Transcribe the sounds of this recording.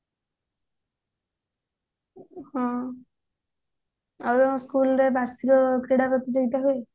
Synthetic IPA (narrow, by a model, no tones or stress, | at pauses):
hɔ̃ | at̪ɔɔskulɾebaɾsiɾɔkɾeɽapɔt̪id͡ʒeɡit̪aɦoe